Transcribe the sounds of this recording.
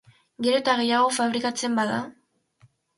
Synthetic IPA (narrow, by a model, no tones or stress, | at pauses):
ɡe̞ɾo̞t̪aɣe̞jaɣo̞faβɾikat͡se̞mbaða